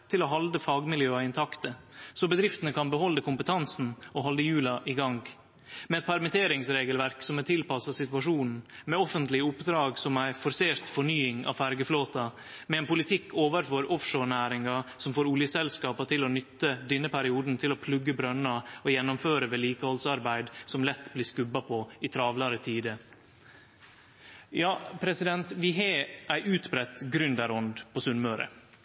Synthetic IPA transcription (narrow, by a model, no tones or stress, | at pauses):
t̪ʰɪloɦɑld̪əfɑːɡmɪljøːɑɪnt̪ʰɑkt̪əsɔbəd̪ɾɪft̪ənəkʰɑnbəhɔlːəkʰʊmpət̪ʰɑnsn̩oɦɑld̪əjʉːlɑʔɪɡɑŋɡ | mɛɛt̪̚pʰæɾmɪt̪ʰeːɾɪŋsɾeːɡəlʋæɾksɔmɛt̪ʰɪlpɑsɑsɪt̪ʉɑʂuːnn̩mɛɔfənt̪lɪəʊpd̪ɾɑːɡsɔmæɪfɔɾseːɾt̪fɔɳyːɪŋɑ̰fæɾɡəfloːt̪ɑ | mɛɛːnpʊlɪt̪ʰɪkːʰoːʋəɾfɔɾɔfʂoːɳæːɾɪŋɑsɔmfoːɾʊljəsɛlskɑːpɑt̪ʰɪlɔnʏt̪ːəd̪ɪnːəpʰæɾɪuːd̪n̩t̪ʰɪlɔpʰlʉɡːəbɾœnːɑɔjɛnːɔmføːɾəʋeːliːkəhɔlsɑɾbæɪd̪sɔmlɛt̪ːbliːskʉbːɑpʰɔɪt̪ʰɾɑːʋlɑɾət̪ʰiːd̪ə | jɑːpʰɾɛsɪd̪ɛnt̪ʋɪɦɛʔæɪʔʉːt̪bɾɛt̪ːɡɾʏnd̪æɾɔnd̪pʰɔsʉnmœːɾə̰